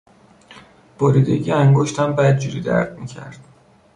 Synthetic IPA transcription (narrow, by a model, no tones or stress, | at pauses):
b̥oɾiːd̪eɟiæŋɡoʃt̪ʰæmbæd̪̚d͡ʒuɾiːd̪æ̰ɾd̪miːcʰæ̰ɾd̪̥